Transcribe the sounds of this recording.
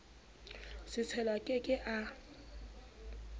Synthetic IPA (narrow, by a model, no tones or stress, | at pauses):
sɪt͡sʰɛlwakʼɪkʼɪʔa